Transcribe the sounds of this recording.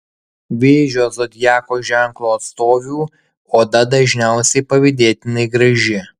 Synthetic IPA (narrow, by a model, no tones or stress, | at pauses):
ʋʲeːʒʲoːzod̪ʲjæːkoːʒʲæˑŋklˠoːɐt̪st̪oːʋʲuː | oːd̪ɐd̪ɐʒʲnʲæˑʊsʲɛɪpɐʋʲɪd̪ʲeːt̪ʲɪnɐɪɡɾɐʒʲɪ